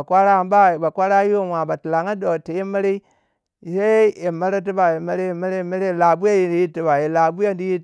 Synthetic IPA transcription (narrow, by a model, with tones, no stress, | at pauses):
a˨kʷa˦ɾa˦˨m˦ba˦˨ba˨kʷa˦ɾa˦ji˦o˦wa˨ba˨ti˨la˨ŋa˦do˨te˨je˦ma˦ɾe˦i˦˨ | se˦e˨ma˦ɾe˦t̬i˦ba˨je˨ma˦ɾe˦je˨ma˦ɾe˦˨ma˦ɾe˦˨la˨bu˦ja˦ji˨i˨ji˦tːi˨ba˨je˨la˨bu˦ja˦ndi˦ji˦˨